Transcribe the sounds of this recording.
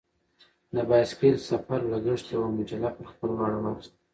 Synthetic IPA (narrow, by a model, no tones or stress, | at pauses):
nabɑjskelsafaɾlaɡəʂt̪jawamad͡ʒalapəɾxpəlwɑɽawɑxst̪